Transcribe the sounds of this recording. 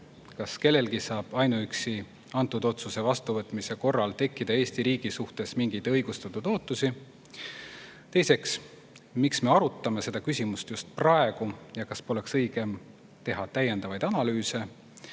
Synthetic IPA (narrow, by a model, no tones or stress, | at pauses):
kɑske̞lːe̞lɡisɑːb̥ɑjnuyksi | ɑnt̪ːˑud̪̥o̞t̪suse̞vɑst̪uvɤt̪ˑmise̞ko̞rːɑlt̪e̞kːˑid̪̥ɑe̞ːst̪iɾiːɡ̥isuht̪e̞smiŋɡ̥id̪ɤjɡ̥ust̪ɑt̪ːˑud̪̥o̞ːt̪ːˑusi | t̪e̞jse̞ks | miksme̞ɑɾut̪ːˑɑme̞se̞d̪̥ɑkysʲimust̪just̪̚prɑe̞ɡ̥ujɑkɑspo̞le̞ksɤjɡ̥em | t̪e̞ɦɑt̪æjːe̞nd̪ɑvɑjd̪̥ɑnɑlyːse̞